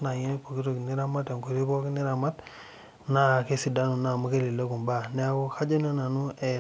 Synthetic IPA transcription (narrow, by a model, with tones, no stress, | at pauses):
na˨ɲe˦po˨ki˦ɾo˦˨kni˦ɾa˦ma˦te˨ŋku˨ɾi˦bo˦kni˦ɾa˨ma˦t | na˨ke˦si˨da˦nu˨na˨mu˦ke˦li˨lo˦ku˨mba˦ne˦u˦ka˦d͡ʒo˦no˦na˨nu˦e˨